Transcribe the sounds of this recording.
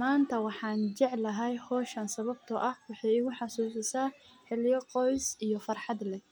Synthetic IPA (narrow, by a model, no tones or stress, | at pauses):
maːnt̪ʰɐwɑħɑːnt͡ʃɛʕlɐɦɛjhɔːʃɐnsɐβɐb̚t̪ʰɔʔɐhwɑħɑjɪɣʊħɑsuːsɪsaː | ħɛljɐqɔjsijɞfɐrħɑd̪lɛ